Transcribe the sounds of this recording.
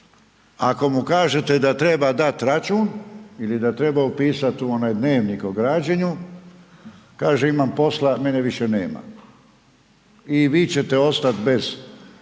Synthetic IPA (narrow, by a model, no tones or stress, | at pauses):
ako̞mukaːʒe̞t̪e̞d̪at̪ɾe̞bad̪at̪ɾat͡ʃuːnilid̪at̪ɾe̞baupiːsat̪uo̞najd̪ne̞ːʋnikoɡɾaːd͡ʑeɲu | kaːʒeimampo̞slame̞neʋiʃe̞nḛːma̰ | iʋiːt͡ɕe̞t̪e̞o̞st̪at̪be̞z̥